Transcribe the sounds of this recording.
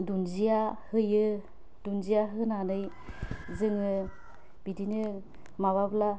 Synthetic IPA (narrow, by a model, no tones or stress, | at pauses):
dunzijahɯjɯ | dunzijaɦɯnanɯj | zɯŋɯ | bidinɯ | maβabla